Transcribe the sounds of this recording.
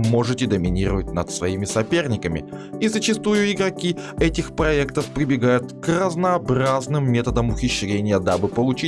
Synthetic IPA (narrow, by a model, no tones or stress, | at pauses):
mo̞ʐɨtʲɪd̪əmʲɪnʲiɾəvət̚ʲnət̪svɐimʲɪsɐpʲe̞rnʲɪkəmʲɪ̰ | izət͡ɕɪst̪ujʊɪɡɾɐkʲiɛtʲɪxpɾɐɛkt̪əfpɾʲɪbʲɪɡajʊt̪krəznəːbɾaznɨmːʲe̞t̪əd̪əmʊxʲɪɕːɾʲenʲɪjəd̪abɨpəlˠʊt͡ɕi